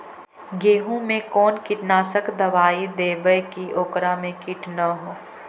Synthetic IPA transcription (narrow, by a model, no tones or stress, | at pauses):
ɡeːɦũmẽkɔːnkɪʈnaːsəkd̪ɐʋaːid̪eːbəjkiʔoːkɾamẽkɪʈnəɦoː